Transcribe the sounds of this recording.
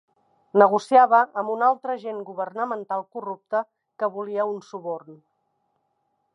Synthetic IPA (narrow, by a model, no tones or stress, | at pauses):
nəɣ̞usiaβəːmbunalˠt̪ɾəʒeŋɡuβərnəmənt̪alˠkurup̚t̪ə | kəβuliəunsuβorn